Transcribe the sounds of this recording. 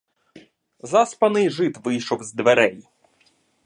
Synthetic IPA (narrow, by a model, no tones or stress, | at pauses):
zɑspɐnɪjʐɪt̪ʋɪjʃɔwzd̪ʋeɾɛj